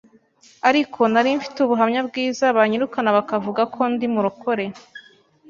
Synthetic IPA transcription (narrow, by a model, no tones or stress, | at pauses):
aɾikʰo̞naɾiɱfi̥tuβuɦamɲabɡiːzaβaɲiɾukanaβakavuɡakʰo̞ndimuɾuko̞ɾe̞